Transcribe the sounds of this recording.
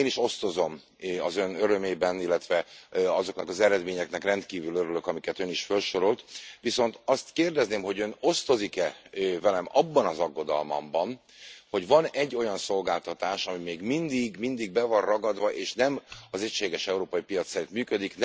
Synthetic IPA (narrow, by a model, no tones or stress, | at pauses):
eːniʃo̞st̪o̞zo̞m | ɒzønøɾø̞meːbɛnilːɛt̪ʋɛɒzo̞knɒ̰kɒzɛɾɛd̪meːɲɛknɛkrɛnt̪kiːvyløɾyløkɒmikɛt̪øniʃfølʃo̞ɾolt̪ʋiso̞nt̪ɒst̪keːrd̪ɛzneːmɦo̞ɟøno̞st̪o̞zikɛvɛlɛmɒbːɒnɒzɒɡːo̞d̪ɒ̰lmɒ̰mbɒn | ho̞ɟvɒnɛɟːo̞jɒnso̞lɡaːlt̪ɒt̪aːʃɒmimeːɡmind̪iɡmind̪iɡ̚bɛvɒrrɒɡɒd̪ʋɒʔeːʃnɛmɒzɛcʃeːɡɛʃɛuɾoːpɒjipijɒt̪sɛɾit̪myːkød̪ikn